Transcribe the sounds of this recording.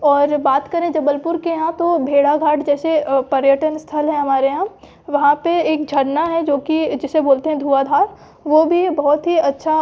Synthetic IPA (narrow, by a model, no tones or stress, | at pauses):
ɔːɾbaːt̪kɐɾẽd͡ʒɐbəlpʊɾkeɦãt̪obʱeːɽaɡʱaːʈd͡ʒɛːsepɐɾjəʈənst̪ʰəlɦɛ̃ɦɐmaːɾeɦã | ʋɐɦãpeeːk̚d͡ʒʱɐɽnaɦɛd͡ʒoːkid͡ʒɪseboːlt̪eɦɛ̃d̪ʱuːad̪ʱaːɾ | ʋobʱibɐɦʊt̪ɦiɐtːʃʰa